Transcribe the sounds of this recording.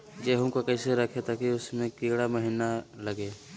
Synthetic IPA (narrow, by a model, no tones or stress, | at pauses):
d͡ʒeːɦõkokɛːseɾɐkʰet̪akiʊsmẽkiːɽaməɦiːnalɐɡeː